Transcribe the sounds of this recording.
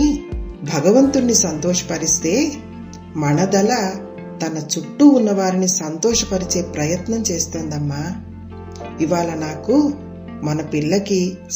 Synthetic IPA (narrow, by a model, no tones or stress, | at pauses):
bʱɐɡɐʋɐnt̪unːisɐnt̪ɔːʂɐ̥pɐɾist̪e̞ː | mɐɳɐd̪ɐlɐ | t̪ɐnɐt͡ʃuʈːuːnːɐʋaːɾinisɐnt̪ɔːʂɐpɐɾit͡ʃe̞ːpɾɐjɐt̪nɐmt͡ʃe̞ːst̪oːnd̪ɐmːaː | iʋaːɭɐnaːku | mɐnɐpiɭːɐki